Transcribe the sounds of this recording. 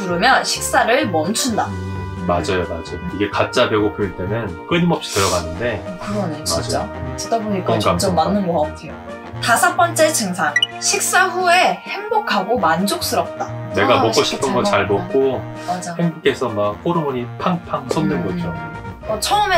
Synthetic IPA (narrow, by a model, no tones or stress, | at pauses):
uɾɯmjʌnɕʰi̥k̚s͈aɾɯɭmʌnt͡ɕʰundamad͡ʑajomad͡ʑajoiɡe̞kat̚t͡ɕ͈abjʌɡopoint͈emjʌnkɯnimʌp̚ɕ͈i̥dɯɾʌɡanːɯnde̞kɯɡʌnet͡ɕid͡ʑt͡ɕ͈a̰t͡ɕedaboɲik͈aat͡ɕomːanːɯnɡoʌatʰejo | tasʰap͈ʌnt͡ɕ͈e̞t͡ɕɯŋsʰaŋɕʰik̚s͈aɸue̞he̞ŋbokʰaɡomand͡ʑok̚s͈ɯɾʌp̚t͈ane̞ɡamʌk͈ʌɕʰi̥p̚t͈ʌnɡʌt͡ɕaɭmʌk̚k͈o | mad͡ʑaheŋbuk͈e̞sʰʌmak̚p͈ʰoɾɯmʌɲipʰaŋpʰaŋsʰʌnːɯnɡʌd͡ʑo | ʌt͡ɕʰʌɯme